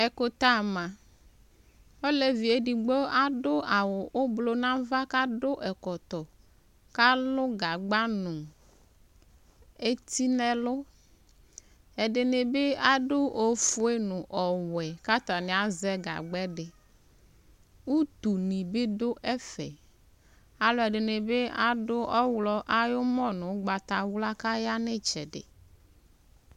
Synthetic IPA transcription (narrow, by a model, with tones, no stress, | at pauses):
ɛ˨ko˦t̪a˦˨mã˨ | o˦le˨vi˨e˨ɖi˨ɡ͡bo˦a˦ɖʊ˦a˨wʊ˨ʔo˦blo˦nã˦va˦ka˦ɖʊ˦ʔɛ˨kɔ˨t̪ɔ˨ | ka˦lʊ˦ɡa˨ɡ͡ba˦nʊ̃˨ | e˦t̪i˦nɛ̃˦lʊ˦ | ɛ˨ɖɪ˨ne˨be˦a˦ɖʊ˦ʔo˨fu˦e˦nʊ̃˨ʔɔ˨wɛ˨ka˦t̪a˨ne˨˦a˦zɛ˦ɡa̰˨ɡ͡bɛ˦ɖɪ˨ | wu˦t̪u˨nĩ˨be˦dʊ˦ʔɛ˦fɛ̰˨ | a˦lʊ˦ɛ˨ɖɪ˨ne˨be˦a˦ɖʊ˦ʔɔ˦wlɔ˦ʔa˦jʊ˦mɔ˦nʊ̃˨˦ɡ͡ba˨t̪a˨wla˦ka˦ja˦ne˦t͡ʃɛ̰˨ɖɪ̰˨